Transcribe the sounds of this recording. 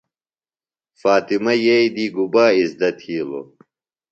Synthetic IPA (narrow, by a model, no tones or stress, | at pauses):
faːt̪imɐjeid̪iɡubaːisd̪ɐt̪ʰiːlo̰